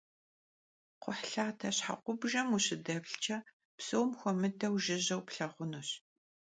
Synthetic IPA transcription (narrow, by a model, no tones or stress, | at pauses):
qʷʊħɬaːtʰɐɕħa̰qʷʊbʒɐmuɕɪdɐbɬt͡ʃʰɐ | psowmxʷɔmɨdɐwʒɪʑɐwpɬɐʁʷʊnuɕ